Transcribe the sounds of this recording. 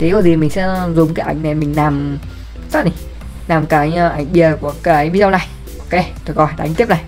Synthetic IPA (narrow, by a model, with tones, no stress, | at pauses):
t̪ʰi˨˦kɔː˧˩zi˨˩mï̟˨˩sɛ̰˧˥˧zʊ˨˩ŋ͡mkaː˨˦jʔa̰˧˩jŋ̟na˨˩mï˨˩ŋ̟naː˨˩m | saː˦˥t̚ni˨˩ | naː˨˩mkaː˨˦jʔa˧˩jŋ̟ɓi˨˩ətku˧˩əkaː˨˦jvi˧˦zə˧wna˨˩j | ʔo˧˦ke˧t̪ʰo˨˩kɔ˨˧˩jɗa̰̟˧˨˦t̪i˦˥p̚na˨˩j